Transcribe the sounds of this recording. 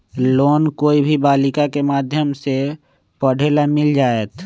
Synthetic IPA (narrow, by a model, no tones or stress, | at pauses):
loːnkoːibʱibaːlɪkakemaːd̪ʱjəmse | pəɽ̤eːlamɪld͡ʒaːet̪